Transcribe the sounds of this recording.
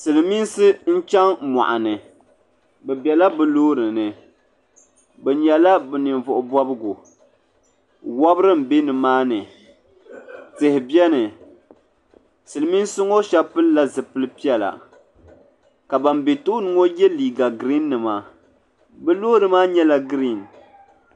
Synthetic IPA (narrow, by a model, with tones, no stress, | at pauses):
sɨ˨lɨ˨mi˦nsɨ˦n̩˦t͡ʃa˦ŋma̰˨ʔa̰˨nɨ˨ | bɛ˨bɛ˨la˦bɨ˨loː˦ɾɨ˨nɨ˨ | bɛ˨ɲɛ˨la˦bɛ˨nɨ˨nvʊ˨ʔʊ˨bɔ˦bɨ˦ɡʊ˨ | wa˦bɨ˦ɾɨ˦m̩˨be˦nɨ˨maː˦nɨ˨ | tɨ˨hɪ˨bjɛ˦nɨ˨ | sɨ˨lɨ˨mi˦n˦sʊ˦ŋo˦ʃa˦pɨ˦lla˦zɨ˨pɨ˦lɨ˦pi˦ɛ˨la̰˨ | ka˨ba˨mbe˨to˦nɨ˦ŋo˦jɛ˦liː˨ɡa˨ɡɾi˦nːɨ˨ma˨ | bɨ˦loː˦ɾɨ˨maː˦ɲɛ˦la˦ɡɾi˦˨n